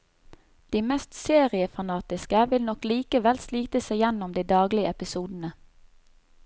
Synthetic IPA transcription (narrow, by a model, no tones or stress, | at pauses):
d̪̥iːmɛst̪seːʁɪəfɑnɑːt̪ɪskəʋɪlnɔkliːkəʋɛlsliːt̪əsæɪjɛnʊmd̪iːd̪ɑːɡlɪəɛpɪsuːd̪n̩ə